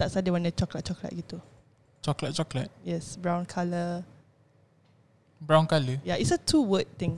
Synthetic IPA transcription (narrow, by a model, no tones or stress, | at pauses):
d̪atsadəwãnət͡ʃɔklat̚t͡ʃɔkla̰t̚ɡit̪u | t͡ʃɔklat̚t͡ʃɔklat̚jɛsbɹãwnkʰalə | bãw̃nkaləjaitsətʰuwət̚t̪ɪ̃ŋ